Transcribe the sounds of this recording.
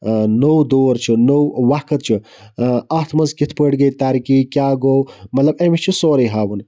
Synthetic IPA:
nowd̪oːɾt͡ʃʰunowwakɐt̪̚t͡ʃʰu | at̪ʰmɐnzkit̪ʰpəʈɡɐt̪aːɾikikjaːɡowmɐt̪lɐbemit͡ʃʰisoːɾiɦaːwun

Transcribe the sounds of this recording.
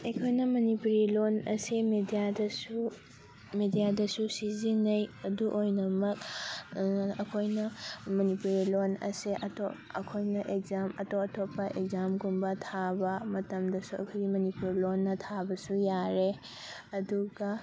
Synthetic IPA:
ekʰojnɐmɐnipuɾilonɐ̰simedijadɐsu | medijadɐsusizinɐjɐduʔojnɐmɐk̚ | ɐkʰojnɐmɐnipuɾilonɐ̰seʔɐto | ɐkʰojnɐʔek̚zamɐtoɐtʰopːɐʔek̚zamɡumbɐtʰabɐmɐtɐmdɐsuɐ̰kʰoɡimɐnipuɾlonːɐtʰabɐsujaɾe | ɐduɡɐ

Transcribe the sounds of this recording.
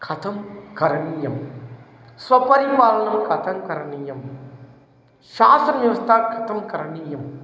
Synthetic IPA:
kʰɐt̪ʰɐmkɐɾɐnijɐm | sʋɐpɐɾiʋaːlɐnɐmkɐt̪ʰɐmkɐɾɐnijɐm | ʃaːsɐnʋjɐʋɐst̪ʰaːkʰɐ̥t̪ʰɐmkɐɾɐnijɐm

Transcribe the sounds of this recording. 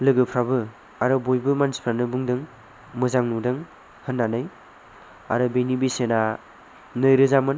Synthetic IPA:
lɯɡɯpʰɾabɯ | aɾɯbojbɯmanspʰɾanɯbɯŋdɯŋ | mɯzaŋnudɯŋ | hɯnːanɯj | aɾɯbenibisena | nɯjɾɯzamɯn

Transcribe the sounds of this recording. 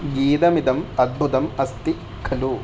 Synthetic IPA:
ɡiːd̪ɐmid̪ɐmɐd̪̚bʱut̪ɐmɐst̪i | kʰɐluː

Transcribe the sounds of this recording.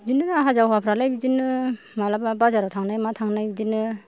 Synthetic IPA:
dinɯnɦazawapʰɾalajbidinɯ | malababazaɾawtʰaŋnajmatʰaŋnajbidinɯ

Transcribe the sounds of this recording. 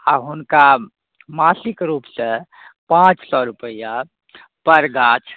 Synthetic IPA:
aɦʊnka | maːsɪkɾuːpsə̃ | pãt͡ʃsɔɾupəja | pəɾɡaːt͡ʃʰ

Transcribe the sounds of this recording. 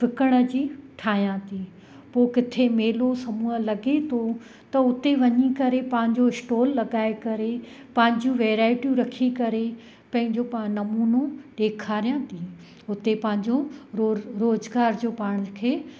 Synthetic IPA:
fɪkəɽ̃ə̆d͡ʑiːʈʰaːɦijãt̪ʰi | poːkɪt̪ʰemeːlosɐmuːəlɐɡet̪ʰo | t̪ɐʊt̪eʋɐɲikɐɾepɐ̃ɦɪ̃ɲd͡ʑoɪsʈoːlːɐɡaːekɐɾe | pɐ̃ɦɪ̃ɲd͡ʑũʋeːɾaːɪʈijũɾɐkʰikɐɾe | pɐ̃ɦɪ̃ɲd͡ʑopanɐmuːnoɖeːkʰaːɾijãːt̪ʰi | ʊt̪epɐ̃ɦɪ̃ɲd͡ʑo | ɾoːzɡaːɾd͡ʑoːpaːɽ̃kʰeː

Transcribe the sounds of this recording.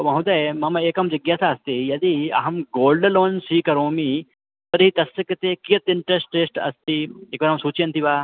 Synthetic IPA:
t̪omɐɦud̪ɐjmɐmɐeːkɐmd͡ʒɐɡjaːsaːɐst̪ijɐd̪iɐ̰ɦɐmɡoːlɖɐloːnsiːkɐɾoːmi | p̪ɐɾɦit̪ɐsːɐkɐt̪eːkijɐt̪ɪɳʈɾesʈeːsʈɐ̰st̪ieːkʋaɾɦɐmsuːt͡ʃjɐnt̪ʰiʋaː

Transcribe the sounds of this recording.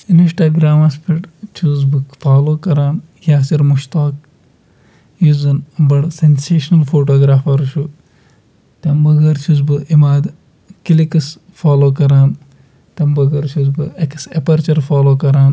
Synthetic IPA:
iniʃʈaːɡɾaːmɐspʰiʈt͡ʃʰuːzbɨkfaːloːkɐɾaːn | jʲaːsiɾmuʃt̪aːk | juzɐnbɐɽsenseːʃnɐlfoːʈoːɡɾaːfɐɾʃu | t̪ɐmbɐɡɐɾt͡ʃʰuzbɨʔimaːd̪ | kilikɐs | faːloːkɐɾaːn | t̪ɐmbɐɡɐɾt͡ʃʰuzbɨɐksepɐɾt͡ʃɐɾfaːloːkɐɾaːn

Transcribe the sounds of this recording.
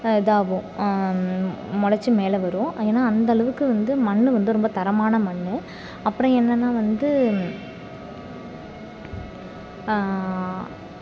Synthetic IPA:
ɛðaːʋʊ̃ | mɔɽɐt͡ʃːɯmeːlɛʋɐɾɯʊ̃eːnːaːɐnd̪ɐɭɐʋɯkːɯʋɐnd̪ɯmɐɳːɯʋɐnd̪ɯɾɔmbɐt̪ɐɾɐmaːnɐmɐɳːɯ | ɐpːɯɾɔ̃ɛnːɐnːaːʋɐnd̪ɯ

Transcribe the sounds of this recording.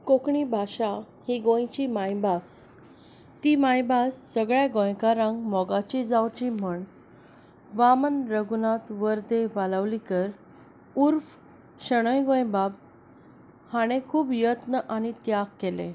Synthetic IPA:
kokɳibʱaɕa | hiɡõjt͡ɕimãjbas | t̪iːmajbasːəɡɭjaɡõjkaɾãŋɡmɔɡat͡ɕid͡zawt͡ɕim̤əɳ | ʋamənɾəɡunat̪ʋəɾd̪eʋaləʋlikəɾ | uɾf | ɕəɽ̃əjɡõjbab | haɽ̃ekʰuːbjət̪nəʔaɽ̃it̪jaɡkːelḛ̃

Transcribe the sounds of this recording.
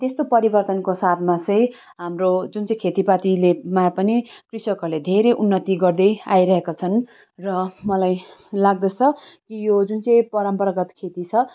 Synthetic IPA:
t̪est̪opʌɾibʌrt̪ʌnkosat̪ʰmat͡sʌj̃ | ɦamrod͡zunt͡sʌ̃j̃kʰet̪ipat̪ilemapʌnikrisʌkʌled̪ʱeɾeʔunːʌt̪iɡʌrd̪ʌa̰jɾʌɦekat͡sʰʌn | rʌmʌlajlaɡ̚d̪ʌt͡sʰʌkijod͡zunt͡sʌj̃pʌɾʌmpʌɾʌɡʌt̪kʰet̪it͡sʰʌ

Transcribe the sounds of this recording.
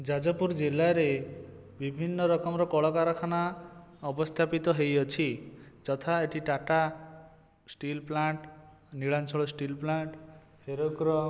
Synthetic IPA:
d͡ʒad͡ʒɔpuɾd͡ʒilaɾe | bibʱinːɔɾɔkɔmɾɔkɔɭɔkaɾɔkʰanaɔbɔst̪ʰapit̪ɔɦejɔt͡ʃʰid͡ʒɔt̪ʰaeʈʰiʈaʈa | sʈilplaɳʈ | niɭant͡ʃʰɔɭɔsʈilplaɳʈ | heɾoɡɾɔ

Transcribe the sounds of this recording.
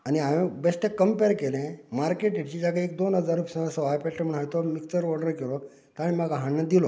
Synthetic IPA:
añiaʋẽbesʈekːəmpeɾkelẽmaɾkeʈeʈt͡ɕid͡ʑakaek̚d̪onɦəd͡zaɾupsãasɔajpɛʈəməɳ̃ajt̪omikt͡ɕəɾʋɔɽəɾkeɾo | t̪aɽ̃imaɡaɦaɳnad̪ilo

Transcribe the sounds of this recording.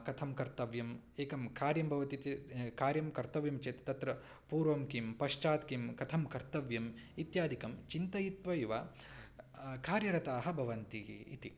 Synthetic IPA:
kɐt̪ʰɐmkɐɾt̪ɐʋjɐm | eːkɐmkaːɾjɐmbʱɐʋɐt̪it̪ikaːɾjɐmkɐɾt̪ɐʋjɐmt͡ʃeːt̪ɐ̥t̪ɐt̪ɾɐ | puːɾʋomkimpɐʃt͡ʃaːt̪kimkɐt̪ʰɐmkɐɾt̪ɐʋjɐmit̪jaːd̪ʱikɐmt͡ʃint̪ɐjit̪ʋɐjuʋa | kaːɾjɐɾɐt̪aːɦɐbʱɐʋɐnt̪iḭt̪i

